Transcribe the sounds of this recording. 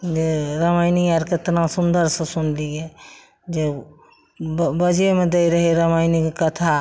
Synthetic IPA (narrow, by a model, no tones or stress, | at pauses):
d͡ʒeɾəmajniaɾket̪nasund̪əɾsə̃sunliɡe | d͡ʒe | bəd͡ʒemẽd̪ejɾəɦiɾəmajnikekət̪ʰa